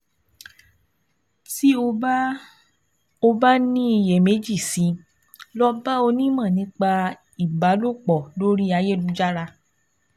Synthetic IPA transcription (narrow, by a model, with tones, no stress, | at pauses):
ti˦o˧˦ | o˧ba˦nĩ˦i˧je˨me˨˦d͡ʒi˦˨si˨˦ | lɔ˦ba˦o˧nĩ˦mã˦˨nĩ˨˦k͡pa˧ | i˨ba˨˦lo˦˨k͡pɔ˨lo˦ɾi˦a˧je˦˨lu˨˦d͡ʒa˦ɾa˧